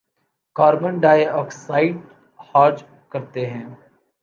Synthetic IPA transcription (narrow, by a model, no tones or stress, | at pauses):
kaːɾbənɖaːjɔːksaːɪʈ | haːɾd͡ʒ | kɐɾt̪eɦɛ̃ː